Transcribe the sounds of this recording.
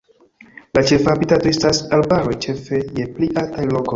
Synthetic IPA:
lat͡ʃe̞fhabitato̞e̞stasalbaɾo̞jt͡ʃe̞fe̞je̞pliʔaltajlo̞koj

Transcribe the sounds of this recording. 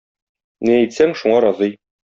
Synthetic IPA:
nææjt̪sæŋʃuɴɑɾɑzɤj

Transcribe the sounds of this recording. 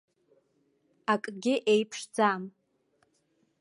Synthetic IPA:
akʼɡʲɪʔejpʰʂd͡zam

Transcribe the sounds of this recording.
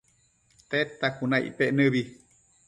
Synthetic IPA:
t̪et̪ːakunaḭpeʔnɨβi

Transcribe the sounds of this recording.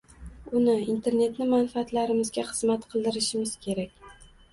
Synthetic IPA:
ʊnɪint̪ʰe̞ɾne̞t̪nɪmanfaːt̪laɾɪmɪzɡʲaχɨzmat̪qʰɨlˠd̪ɪɾɪʃɪmɪz̥kʲʰe̞ɾakʲ

